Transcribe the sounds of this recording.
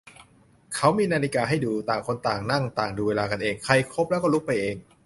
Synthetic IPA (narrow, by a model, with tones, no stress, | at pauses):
kʰa˦˥wmiː˧naː˧li˦kaː˧ɦa˥˩jduː˧t̪aː˨˩ŋkʰo˧nt̪aː˨˩ŋna˥˩ŋt̪aː˨˩ŋduː˧weː˧laː˧ka˧nʔeː˧ŋkʰa˧jkʰo˦˥p̚lɛ˦˥kɔ˥˩lu˦˥k̚pa˧jʔeː˧ŋ